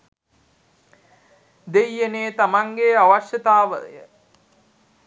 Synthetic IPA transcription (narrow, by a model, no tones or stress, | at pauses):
d̪ejːeneːt̪amaŋɡeaʋaʃjət̪aːʋə̰jə